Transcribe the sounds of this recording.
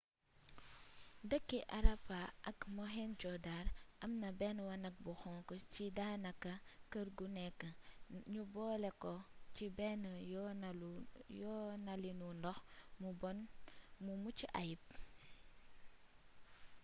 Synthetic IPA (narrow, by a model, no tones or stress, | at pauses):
dəkːiʔɐɾɐpaʔɐkmɔɦɛnd͡ʒɔdaːɾʔɐmnɐbɛnwɐnɐk̚buxɔŋkɔcidaːnɐkːɐkəɾɡunɛkːəɲubɔːlɛkɔcibɛn | jɔnɐlinundɔxmubɔnmumuciʔa̰jip̚